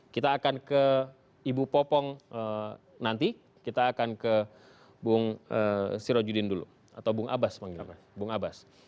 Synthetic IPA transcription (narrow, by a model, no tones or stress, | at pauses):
kit̪aːkankə | ibupɔpɔŋə | nant̪i | kit̪aːkankə | buŋəsiɾod͡ʒudɪndulṵ | a̰t̪awbuŋʔa̰basmaŋi | buŋabas